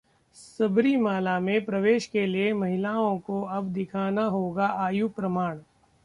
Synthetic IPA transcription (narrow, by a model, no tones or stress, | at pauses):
sɐbɾimaːlamẽpɾɐʋeːʃkeliemɐɦɪlaːõkoɐbd̪ɪkʰaːnaɦoːɡaʔaːjupɾɐmaːɽ̃